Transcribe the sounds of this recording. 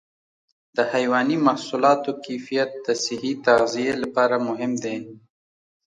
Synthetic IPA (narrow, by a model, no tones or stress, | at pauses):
d̪̥əhajwɑnimahsulɑt̪okefijat̪̚d̪əsɪhit̪aɣzijelapɑɾamʊɦɪmd̪e